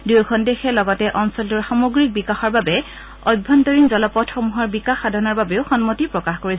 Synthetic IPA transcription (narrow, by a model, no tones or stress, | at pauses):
dujkʰɔndexɛlɔɡɔtɛʔɔnsɔltuɹxamoɡɹik̚bikaxɔɹbabɛ | ɔbʱːɔntɔɹinzɔlɔpɔtxɔmuɦɔɹbikaxːadʱɔnɔɹbabeʊxɔnmotipɹɔkaxkoɹis